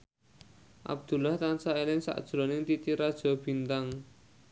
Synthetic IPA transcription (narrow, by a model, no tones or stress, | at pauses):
ʔa̰b̚d̪̥ṳlaht̪ansaelɪŋsa̰ʔd̥ʒ̥ɾɔnɪŋt̪it̪iɾad̥ʒ̥ɔ̤b̥i̤nt̪aŋ